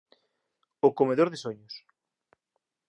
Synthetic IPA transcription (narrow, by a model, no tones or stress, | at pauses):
okomeðoɾðesoɲʊs